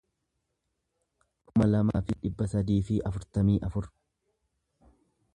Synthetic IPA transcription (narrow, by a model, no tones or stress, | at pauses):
kʊmɐlɐma̰ːfɪᶑɪbːɐsɐd̪iːfɪʔɐfʊɾt̪ɐmiːʔɐfʊɾ